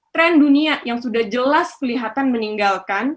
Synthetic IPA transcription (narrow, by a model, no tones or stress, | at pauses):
t̪ɾɛnduniajaŋsudahd͡ʒəlaskəliɦat̪anməniŋɡalkan